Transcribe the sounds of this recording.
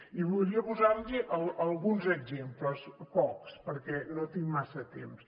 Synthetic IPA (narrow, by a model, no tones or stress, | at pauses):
iβuɾiəpuzaɾʎiʔəlˠəlˠɣunzəɡzempləspɔkspəɾkɛnot̪iŋmasət̪ems